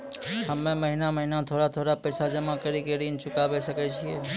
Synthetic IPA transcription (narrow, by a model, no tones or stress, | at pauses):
həmːẽməɦinaməɦinat̪ʰoːɽat̪ʰoːɽapɛːsad͡ʒɐmakəɾikeɾiːnt͡ʃʊkabesəket͡ʃʰiɛː